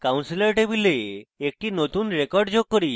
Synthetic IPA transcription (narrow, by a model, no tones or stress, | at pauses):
kawnsiləɾʈebileːk̚ʈinot̪unɾekɔɾɖd͡ʑoɡ̚kːɔɾi